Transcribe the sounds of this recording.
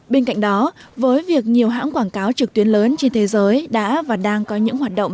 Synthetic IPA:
ɓe˧nka̰˧˨jŋ̟ɗɔ˨˦vəː˨˦jvi˨˩ək̚ɲi˨˩əwɦa̰ː˧˥nkwaː˧˩nkaː˨˦wt͡ɕɨ˨˩k̚t̪wi˨˦ənləː˨˦nt͡ɕe˧nt̪ʰe˨˦zəː˨˦jɗa̰ː˧˥vaː˨˩ɗaː˧ŋkɔ˨˦ɲɨ̰˧˥ŋɦwaː˨˩t̚ɗo̰˧˨ŋ͡m

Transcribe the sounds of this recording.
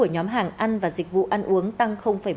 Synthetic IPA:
u˧˩əɲɔ˨˦mɦaː˨˩ŋʔa˧nvaː˨˩zi˨˩k̟̚vṵ˧˨ʔa˧nʔu˨˦əŋt̪a˧ŋxə˧wŋ͡mfaː˧˩

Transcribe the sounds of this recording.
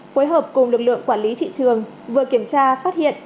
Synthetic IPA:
foː˨˦jɦəː˨˩p̚kʊ˨˩ŋ͡mlɨ˨˩k̚lɨ̰˧˨əŋkwaː˧˩nli˨˦t̪ʰḭ˧˨t͡ɕɨ˨˩əŋ | vɨ˨˩əki˧˩əmt͡ɕaː˧faː˦˥t̚hḭ˧˨ən

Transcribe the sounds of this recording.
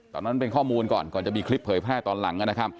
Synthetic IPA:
t̪ɔː˨˩na˦˥np̬e˧nkʰɔː˥˩muː˧nkɔ̰ː˨˩nkɔː˨˩nt͡ɕa˨˩miː˧kʰli˦˥pʰːɤː˩˦jpʰɾɛː˥˩t̪ɔː˧nla˩˦ŋʔa˧˥˩na˦˥kʰa˦˥p̚

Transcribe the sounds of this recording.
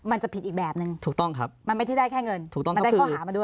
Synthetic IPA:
ma˧nt͡ɕa˨˩pʰi˨˩t̪ʔiː˨˩k̚bɛː˨˩p̚nɯ˨˧ŋt̪ʰuː˨˩t̪ɔ˥˩ŋkʰɾa˦˥p̚ma˧nma˥˩jt͡ɕʰa˥˩jdaː˥˩jkʰɛː˥˩ŋɤ˧nʰu˨˩k̚tɔ˥˩m˧kda˥˩˥kʰɔ˥˩˧aː˩˦maː˧du˥˩

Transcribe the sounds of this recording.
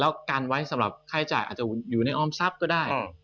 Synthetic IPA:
lɛː˦˥wkaː˧nwa˦˥jsa˨˦mɾa˨˩p̚kʰaː˧˥˩jt͡ɕa̰ː˨˩jʔaː˨˩t̪̚t͡ɕa˨˩juː˨˩na˧jʔɔː˧˥˩msa˦˥p̚kɔː˥˩daː˥˩j

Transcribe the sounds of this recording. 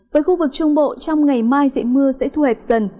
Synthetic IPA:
vəː˨˦jxu˧vɨ˨˩k̚t͡ɕʊ˧ŋ͡mɓo̰˧˨t͡ɕɔ˧wŋ͡mŋa˨˩jmaː˧jzḛ˧˨mɨ˧əsɛ̰˧˥t̪ʰu˧hɛː˨˩p̚z̥ə˨˩n

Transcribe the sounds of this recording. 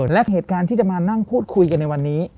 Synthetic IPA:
lɛ˦˥ɦeː˨˩t̪̚kaː˧nt̪ʰiː˥˩t͡ɕa˨˩maː˧na˥˩ŋpʰuː˥˩t̪̚kʰu˧jka˧nːa˧jwa˧nːiː˦˥

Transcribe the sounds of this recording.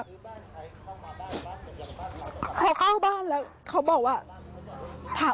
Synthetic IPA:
kʰa˦˥wklaː˥˩wbaː˥˩nlɛː˦˥w | kʰa˦˥wbɔː˨˩k̚waː˥˩ | t̪ʰaː˨˩˦

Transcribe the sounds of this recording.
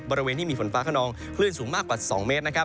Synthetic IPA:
bɔː˧ɾi˧weː˧nt̪ʰiː˥˩miː˧˩fo˩˦nfaː˦˥kʰaː˥˩nɔː˧ŋ | kʰlɯ˥˩ənsuː˩˦ŋmaː˥˩kːwaː˨˩sɔː˩˦ŋmeː˦˥t̪̚na˦˥kʰa˦˥p̚

